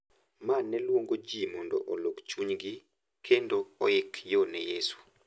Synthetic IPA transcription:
manːɛlwoŋɡod͡ʒimɔndo̰ʔolokt͡ʃuɲɡɪ | kʰendoːɪkjonɛjesu̥

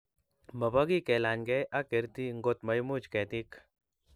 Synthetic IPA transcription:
mɐpɐɡikelaːnɡeʔɐkiɾt̪iŋɡot̪mɐjmut͡ʃket̪ik

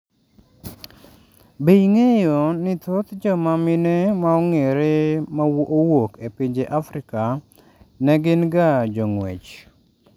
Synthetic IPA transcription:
bejŋejonɪt̪ot̪d͡ʒɔmamɪnemaɔŋeɾemaowokepɪɲd͡ʒeʔafɾɪka | nɛɡɪnɡad͡ʒoŋwḛt͡ʃ

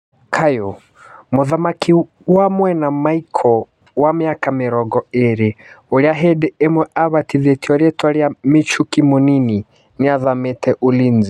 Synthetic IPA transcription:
kʰajɔ | muðamakʰi | wamwɛnamaikʰɔ | wamiakamiɾɔɡɔɛɾiuliaɦɛdɛɛmwɛʔaβatiðɛtiɔɾɛtwaɾiamit͡ʃukimɔnini | niaðamɛtɛʔulinzi

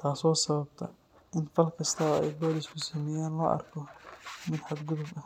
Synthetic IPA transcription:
t̪ʰaːsɔːsɐβɐbt̪ʰɐ̰ | ʔɪnfɐlkʰɐst̪ʰɐɛjbɔːlɪskʰʊsɐːmɛjaːnlɔ̰ːʔɐ̰rkʰɔmɪd̪ħad̪ɡʊðʊbɐ

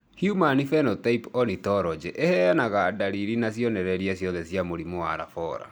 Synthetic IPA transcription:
hjumanifɛnɔtaipɔnitɔɾɔd͡ʑɛʔehɛjanaɣadaɾiɾinasjɔnɛɾɛɾiasjɔðɛsjamoɾimoaɾa̰fɔɾa̰

